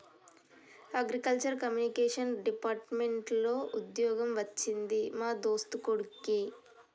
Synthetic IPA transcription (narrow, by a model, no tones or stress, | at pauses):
ɐɡɾikɐlt͡ʃɐɾkɐmjunikeːʂɐnɖipaːɾʈmeɳʈlo̞ːʔud̪jɔːɡɐmʋɐt͡ʃːind̪imaːd̪oːst̪ukoɽuki